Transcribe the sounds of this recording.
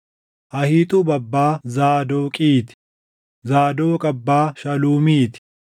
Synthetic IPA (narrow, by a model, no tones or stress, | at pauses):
ʔɐhiːt̪ʼʊbɐbːaːzaːd̪oːkʼiːt̪ɪ̥ | zaːd̪oːkʼɐbːaːʃɐluːmiːt̪ɪ̥